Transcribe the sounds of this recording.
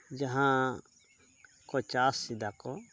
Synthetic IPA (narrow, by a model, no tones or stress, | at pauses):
d͡ʒɐɦã | kot͡ʃaːsːid̪ako